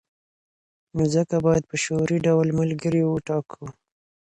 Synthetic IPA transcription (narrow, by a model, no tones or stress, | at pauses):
mʊzəkabɑjad̪̚pəʃoɾiɖawlmalɡəɾiwəʈɑkʰu